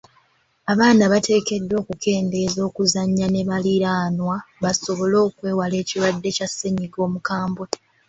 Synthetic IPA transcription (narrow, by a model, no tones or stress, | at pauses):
aβaːnaβate̞ːke̞dːo̞ːkukʰe̞ːnde̞zo̞ːkuzaɲːane̞βaliɾaːnwaβaso̞βo̞lo̞ːkwe̞ːwale̞ːciɾwadːe̞case̞ɲiɡo̞ːmukaːmboe